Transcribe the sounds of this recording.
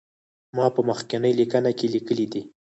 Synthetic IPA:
mɑpəməxkɪnəjlikanakelikəlid̪i

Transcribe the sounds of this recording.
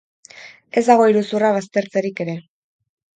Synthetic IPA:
e̞zd̪aɣ̞o̞iɾusuraβ̞ast̪e̞ɾt͡se̞ɾike̞ɾe̞

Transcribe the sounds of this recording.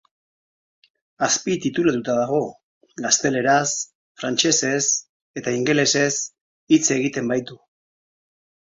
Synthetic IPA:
aspit̪it̪ulat̪ut̪aðaɣ̞o̞ | ɡast̪e̞le̞ɾas | fɾant͡ʃe̞se̞s | e̞t̪aiŋɡe̞le̞se̞s | it͡se̞ɣ̞it̪e̞mbajt̪u

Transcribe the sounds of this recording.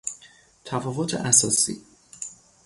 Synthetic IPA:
t̪ʰæfɒːvot̪ʰḛʔæsɒːsḭː

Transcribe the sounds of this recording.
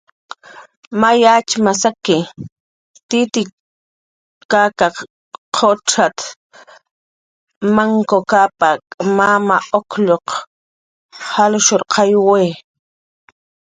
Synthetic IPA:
majat͡ʃmasakɪ | t̪ɪt̪ɪ | kakaq | qʰoʈ͡ʂat̪ | maŋkokapamamaokʎoq | halʊʃoɾqʰɑjweː

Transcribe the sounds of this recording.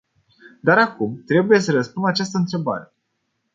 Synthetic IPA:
d̪aɾakumt̪ɾe̞buje̞səɾəspunat͡ʃast̪əɨnt̪ɾe̞ba̰ɾe̞

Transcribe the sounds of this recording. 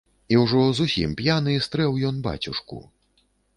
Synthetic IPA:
iwʐɔzusʲḭmpjanɨist̪ɾɛwjɔnba̰t͡sʲuʂkṵ

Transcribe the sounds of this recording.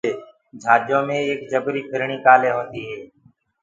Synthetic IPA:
eː | d͡ʒʱaːd͡ʒjõːmẽːkd͡ʒəbɾiːpʰɪɾɳiːkaːlẽːɦoːt̪iːɦeː

